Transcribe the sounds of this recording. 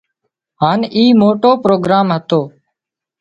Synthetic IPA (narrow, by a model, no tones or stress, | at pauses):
ɦaːniːmoːʈoːpɾoːɡɾaːmɦət̪oː